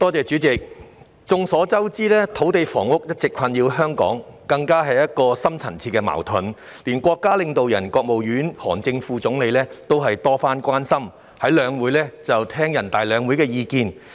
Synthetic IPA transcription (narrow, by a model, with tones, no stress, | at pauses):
t̪ɔː˥t͡sɛː˨t͡ʃy˨˥t͡sɪ˨k̚ | t͡sʊ˨˧ŋsɔː˨˥t͡sɐ˥wt͡siː˥lɛː˥t̪ʰo˨˥wt̪e˨˧jfɔ̰ː˨˩ŋwʊ˥k̚jɐ˥t̚t͡sɪ˨kʰɐ˧njiː˧wɦœː˥ŋkɔ̰ː˨˥ŋ | kɐ˧ŋkaː˥ɦɐ˨jɐ˥t̚kɔː˧sɐ˥mt͡sʰɐ˨˩nt͡sʰiː˧t̚kːɛː˧ma̰ː˨˩wt̪ʰʊ˨˩n | liː˨˩nkʷɔː˧kːaː˥lɪ˧ŋt̪o˨wjɐ̰˨˩nkɔː˧k̚mo˨wjyː˨˥nhɔː˨˩ŋt͡sɪ˧ŋfuː˨˧t͡sʊ˨˥ŋle˨˧jlɛː˥t̪o˥wɦɐ˨jt̪ɔː˥faː˥nkʷaː˥nsɐ˥m | hɐ˨˥jlœː˨˧ŋwu˨˥jlɛː˥t͡sɐ˨wt̪ʰɛː˥ŋjɐ˨˩nt̪aː˨jlœː˨˧ŋwu˨˥jkɛː˧jiː˧kiː˧n